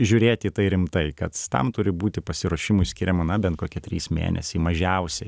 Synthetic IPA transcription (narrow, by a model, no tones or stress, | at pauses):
ʒʲʊɾʲeːt̪ʲiːt̪ɐɪɾʲɪmt̪ɐɪkɐt̪t̪ɐ̰mt̪ʊɾʲɪbuːt̪ʲɪpɐsʲɪɾuɔʃʲɪmʊɪsʲkʲɪɾʲɛmɐnɐbʲɛnt̪̚koːkʲɛt̪ʲɾʲiːsmʲḛːnʲɛ̰sʲimɐʒʲɛʊsʲɛ